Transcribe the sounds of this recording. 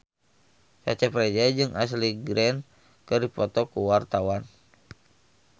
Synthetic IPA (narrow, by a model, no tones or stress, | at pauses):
t͡ʃa̰t͡ʃɛpɾɛd͡ʒad͡ʒɨŋʔas̬liɡɾɛn | kɨripɔt̪ɔkuwart̪awan